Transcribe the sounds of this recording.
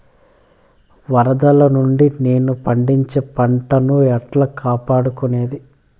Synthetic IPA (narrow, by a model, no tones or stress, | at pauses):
ʋɐɾɐd̪ɐlɐnuɳɖineːnupɐɳɖiɲt͡ʃeːpɐɳʈɐnuɛʈlɐkaːpaːɽukune̞ːd̪i